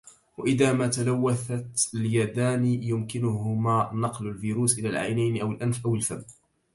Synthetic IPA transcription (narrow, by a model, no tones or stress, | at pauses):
waʔɪðaːmaːt̪alawːaθat̪aljad̪aːnijʊmkɪnʊɦʊmaːnɑqlalfiːɾuːsʔɪlaːlʕa̰jnajnɪʔawɪlʔanfʔawɪlfamː